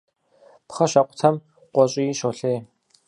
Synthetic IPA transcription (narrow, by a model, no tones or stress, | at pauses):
pχɐɕɐqʷʊ̥tʰɐm | qʷʼɔɕʼɪjiːʃoːɬeː